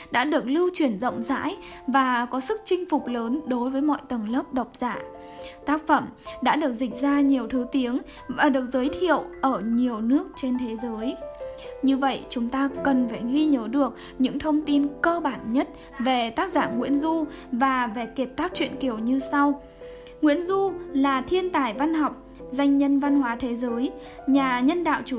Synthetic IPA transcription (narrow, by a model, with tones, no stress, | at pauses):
ɗa̰ː˧˥ɗɨ˨˩ək̚lɨ˧wt͡ɕwi˧˩ənzə̰˧˨wŋ͡mza̰ː˧˥j | vaː˨˩kɔ˨˦sɨ˦˥k̚t͡ɕï˧ŋ̟fʊ˨˩k͡p̚ləː˨˦nɗo˨˦jvəː˨˦jmɔ̰˧˨jt̪ə˨˩ŋləː˦˥p̚ɗə˨˩wk͡p̚z̥aː˧˩ | t̪aː˦˥k̚fə˧˩mɗa̰ː˧˥ɗɨ˨˩ək̚zï˨˩k̟̚zaː˧ɲi˨˩əwt̪ʰɨ˨˦t̪i˨˦əŋ | vaː˨˩ɗɨ˨˩ək̚zəː˨˦jt̪ʰḭ˧˨əwʔəː˧˩ɲi˨˩əwnɨ˦˥ək̚t͡ɕe˧nt̪ʰe˨˦zəː˨˦j | ɲɨ˧və̰˧˨jt͡ɕʊ˨˦ŋ͡mt̪aː˧kə˨˩nfaː˧˩jɣi˧ɲəː˨˦ɗɨ˨˩ək̚ | ɲɨ̰˧˥ŋt̪ʰə˧wŋ͡mt̪i˧nkəː˧ɓaː˧˩nɲə˦˥t̚ | ve˨˩t̪aː˦˥k̚zaː˧˩nŋḭ˧˥ənzu˧vaː˨˩ve˨˩ki˧˨˩p̚t̪aː˦˥k̚t͡ɕwḭ˧˨ənki˧˩əwɲɨ˧sa˧w | ŋwḭ˧˥ənzu˧laː˨˩t̪ʰi˧ənt̪aː˨˩jva˧nhɔ˨˩wk͡p̚ | za˧jŋ̟ɲə˧nva˧nhwaː˨˦t̪ʰe˨˦zəː˨˦j | ɲaː˨˩ɲə˧nɗa̰ː˧˨wt͡ɕu˧˩